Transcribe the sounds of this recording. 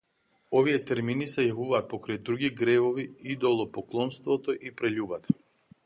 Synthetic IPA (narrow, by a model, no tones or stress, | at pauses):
ovijɛt̪ɛɾminisɛjavuvaːt̪̚pɔkɾajd̪ɾuɡiɡɾɛvɔviid̪ɔlˠɔpɔklˠɔnst̪vɔt̪ɔʔipɾɛʎubat̪ḁ